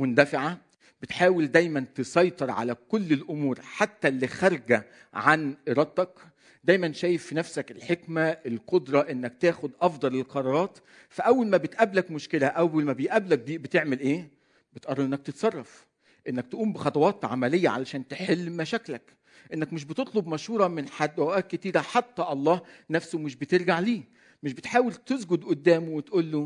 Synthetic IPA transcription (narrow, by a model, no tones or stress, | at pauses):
mond̪æfɪʕa | b̥et̪ħaːweld̪æjmænt̪esˤɑjt̪ˤeɾˤʕa̰lækolːelʔomuːɾħat̪ːælːixɑɾˤɡæ | ʕanʔeɾˤɑd̪t̪ːɑk | d̪æjmænʃæːjefːinæfsækelħekmæʔelqod̪ɾˤɑʔenːæk̚t̪æːxod̪ʔɑfd̪ˤɑlelqɑɾˤɑːɾˤɑːt̪ | fæʔæwːælmæbet̪ʔæblækmoʃkelæʔæwːælmæbejʔæblæk̚bbet̪eʕmelʔeː | bet̪ʔɑrˤɑʔenːækt̪et̪sˤɑrˤːɑf | ʔenːæk̚t̪ʔuːmbexɑt̪ˤɑwɑːt̪ʕa̰mælejːæ̰ʕa̰læʃæːnt̪eħelːmæʃæːklæk | ʔenːækmeʃ̬bet̪et̪ˤlobmɑʃhuːɾˤɑmenħad̪ːʔæʔæːt̪̚ket̪iːɾæħat̪ːæʔɑlˤːɑːhnæfsomɪʃbet̪eɾɡaʕliː | meʃbet̪ħaːwelt̪ezɡod̪ʔod̪ːæːmowet̪ʔuːlːo